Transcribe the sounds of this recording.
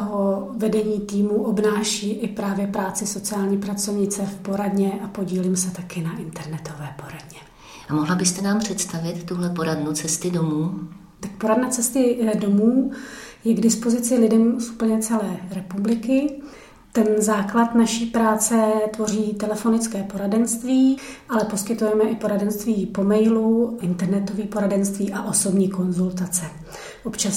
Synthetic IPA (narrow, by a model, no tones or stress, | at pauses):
ɦovɛdɛɲiːt̪iːmuʔo̞bnaːʃiːʔɪpɾaːvjɛpɾaːt͡sɪso̞t͡sɪaːlɲiːpɾat͡so̞vɲɪt͡sɛfpo̞ɾadɲɛʔapo̞ɟiːlɪmsɛt̪akɪnaʔɪnt̪ɛɾnɛt̪o̞vɛːpo̞ɾadɲɛ | ʔamoɦlabɪst̪ɛnaːmpr̥ɛt̪st̪avɪt̪ːuɦlɛpoɾadnut͡sɛst̪ɪdomuː | t̪ak̚po̞ɾadnɛt͡sɛst̪ɪdo̞muːjɛɡdɪspo̞zɪt͡sɪlɪdɛmsʔupl̩ɲɛt͡sɛlɛːɾɛpublɪkɪ | t̪ɛnzaːklat̪naʃiːpɾaːt͡sɛt̪vo̞r̝iːt̪ɛlɛfo̞nɪt͡skɛːpo̞ɾadɛnst̪viːʔalɛpo̞skɪt̪ujɛmɛʔɪpo̞ɾadɛnst̪viːpo̞mɛjluʔɪnt̪ɛɾnɛt̪o̞viːpo̞ɾadɛnst̪viːʔaʔo̞so̞bɲiːko̞nzult̪at͡sɛ | ʔo̞pt͡ʃas